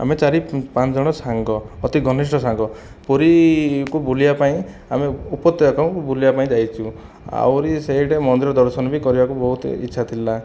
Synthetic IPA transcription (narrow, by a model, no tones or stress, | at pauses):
a̰met͡ʃaɾipãt͡ʃɔd͡ʒɔɽ̃ɔsaŋɡɔːt̪iɡʱɔnisʈɔsaŋɡɔ | poɾikubulijapaĩ | ameupɔt̪ːeakɔ̃bʱulibapaĩd͡ʒajt͡ʃʰu | a̰wɾiseɦiʈemɔnd̪iɾɔd̪ɔɾsɔnɔbʱikɔɾibakubɔɦut̪ḭtːʃʰat̪ʰila